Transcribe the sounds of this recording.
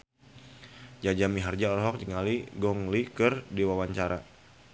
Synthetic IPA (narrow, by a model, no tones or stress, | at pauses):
d͡ʒad͡ʒamiɦard͡ʒaɔɾɦɔk̚d͡ʒəŋaliɡɔŋlikərdiwawaɲt͡ʃaɾa